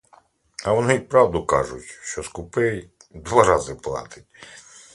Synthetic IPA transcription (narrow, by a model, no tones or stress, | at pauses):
ɐʋɔnɪjpɾɑwd̪ʊkɑ̰ʒʊ̰tʲʃt͡ʃɔskʊpɪj | d̪ʋɑɾɑzɪplˠɑ̰t̪ɪtʲ